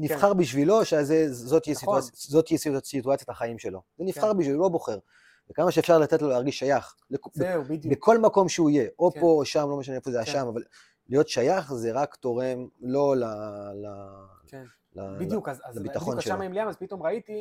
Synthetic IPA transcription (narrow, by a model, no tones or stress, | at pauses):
nifχaʁbiʃvilo̞ʃeazezot̪ijisiuajazot̪ijɛsitsit̪uat͡sjataχaimʃe̞lo̞zenifχaʁbiʃvilulo̞bo̞χe̞ʁ | vekamaʃeefʃaʁlat̪etlo̞leaʁɡiʃːajaχ | bekbbbekʰo̞lmako̞mʃeuijeʔo̞po̞ʃamlo̞meʃ̬aneefozeaʃʃamaval | lijo̞t̪ʃajaχzeʁakt̪o̞ʁe̞mlo̞lala | ladjuklabit̪aχonʃelmaimliamazpit̪omʁait̪i